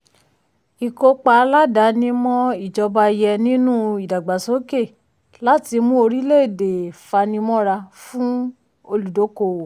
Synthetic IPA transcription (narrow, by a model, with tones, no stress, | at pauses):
i˨ko˧k͡pa˧˦la˦da˨˦nĩ˦mɔ̃˦i˦˨d͡ʒɔ˧ba˧jɛ˧nĩ˦nũ˦i˨da˨ɡ͡ba˨so˨˦ke˦˨ | la˦ti˧mũ˦o˧ɾi˦le˦i˦˨de˨fa˧nĩ˧˦mɔ̃˦ɾa˧fũ˦ | o˧lu˨do˨˦ko˧˨wo˨